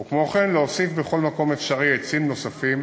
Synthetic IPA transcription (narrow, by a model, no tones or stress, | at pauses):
ukmo̞χenleosifbeχo̞lmako̞mefʃaʁiet͡simno̞safim